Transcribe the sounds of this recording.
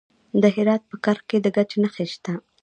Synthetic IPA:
d̪əɦɪɾɑt̪̚pəkɑɾxked̪əɡat͡ʃenəxeʃt̪a

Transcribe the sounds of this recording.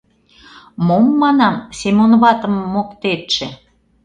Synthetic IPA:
momːɑnɑmsemonβɑt̪ə̆mːokt̪eʃĕ

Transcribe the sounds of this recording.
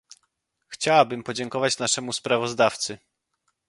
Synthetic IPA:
xt͡ɕawabɘmpɔd͡ʑɛŋkɔvat͡ɕnaʂɛmuspɾavɔzd̪aft̪sɘ

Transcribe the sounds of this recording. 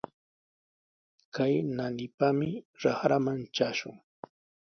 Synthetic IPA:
kajnanɪpamɪɾaχɾamant͡ʃaʃʊ̰ŋ

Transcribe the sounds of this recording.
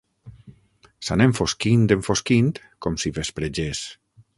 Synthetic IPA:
saneɱfoskind̪eɱfoskint̪ | komsiβespɾed͡ʒes

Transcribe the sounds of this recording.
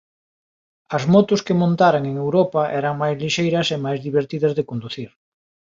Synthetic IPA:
ɐzmɔt̪ʊskɪmõnt̪aɾaŋeŋewɾɔpɐʔɛɾɐŋmajzliʃejɾɐsemajzðiβ̞eɾt̪iðɐzðɪkond̪uθiɾ

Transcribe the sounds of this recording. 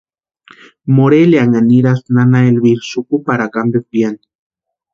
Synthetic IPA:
moɾeliaŋaniɾasnanaelβiɾsukupaɾakambek̚bjan

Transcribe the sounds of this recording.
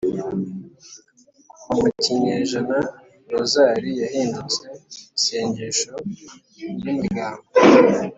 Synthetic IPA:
umuciɲeʒana | ɾozaːɾijahiːndut͡seise̞ːɲɟeʃo | jimiɡaːmbo

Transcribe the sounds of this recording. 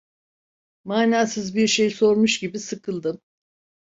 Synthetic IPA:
maːnaːsɯzbiɾʃe̞jso̞ɾmuʃɟibisɯkʰɯlˠd̪ɯm

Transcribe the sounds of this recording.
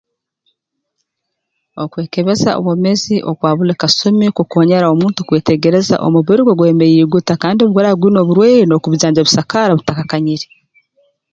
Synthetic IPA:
okwe̞ːkeβe̞za̰o̰βome̞ziʔokwaːβulekasomikukoːɲeɾao̞muːntukwe̞ːte̞ɟe̞ɾe̞za̰ʔo̰muβiɾiɡoɡweːmejiːɡutakaːndioβɡweɾaɡwiːno̞ːβuɾweːɾino̞kuβuɟaːɲd͡ʒeβusakaɾaβutakakaɲiɾi

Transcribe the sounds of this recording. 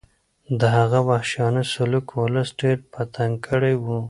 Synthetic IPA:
d̪əɦaɣawahʃjɑnəsalukwʊləsɖeɾpat̪aŋkʰəɽajwu

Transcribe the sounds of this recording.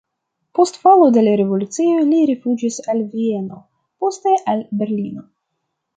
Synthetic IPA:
po̞stfolo̞de̞laɾe̞vo̞lut͡sioliɾifud͡ʒisalvie̞no̞ | po̞ste̞ʔalbe̞ɾlino̞

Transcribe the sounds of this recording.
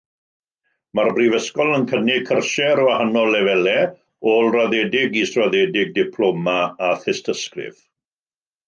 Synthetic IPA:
marbrivəskɔlˠənkʰənɪkʰərʃɛɾɔahanɔlɛvɛlɛ | oːlˠraðɛdɪɡisraðɛːdɪɡ̚dɪpʰl̥omaaθɪstʰəskrɪ̰v

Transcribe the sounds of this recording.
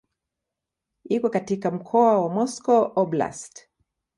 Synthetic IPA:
ikɔkatikam̩kʰɔawamɔskɔʔɔbla̰st

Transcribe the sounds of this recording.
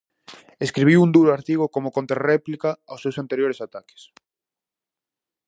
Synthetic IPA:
eskɾiβiwund̪uɾoaɾt̪iɣokomokõnt̪ɾarɛplikaawsːewsant̪eɾjoɾesat̪ake̥s

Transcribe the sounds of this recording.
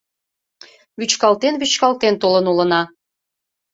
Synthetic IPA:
βyt͡ɕkɑlt̪enβyt͡ɕkɑlt̪ent̪olənulə̆nɑ

